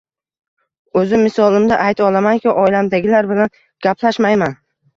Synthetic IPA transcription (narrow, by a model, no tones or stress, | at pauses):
ɵzɪmɪsɒlˠɪmd̪aʔajt̪ʰɒlˠamaŋkʲʰɪʔɒjlamd̪aɡʲɪlaɾbɪlan | ɡ̥ʲapʰlaʃmajman